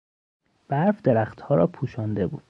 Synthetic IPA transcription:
b̥æɾfd̪eɾæχt̪hɒːɾɒːpʰuːʃɒːnd̪e̞bṵːd̪̥

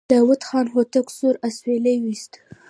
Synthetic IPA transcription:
ɑwat̪xɑnɦot̪əksuɾaswelejwist̪

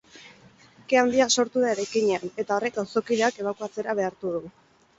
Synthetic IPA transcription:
keand̪iaso̞ɾt̪uðaeɾajkiɲe̞ane̞t̪ao̞re̞k̚ɡawso̞kiðeake̞β̞akuat͡se̞ɾaβ̞e̞aɾt̪uð̞u

